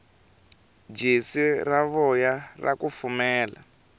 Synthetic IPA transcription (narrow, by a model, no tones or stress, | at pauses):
d͡ʒisiraβɔjara̰kufumɛːla̰